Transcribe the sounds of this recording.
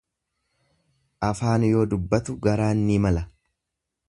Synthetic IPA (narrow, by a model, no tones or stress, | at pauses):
ʔɐfaːnjo̞ːd̪ʊbːɐt̪ʊɡɐɾaːnːiːmɐlɐ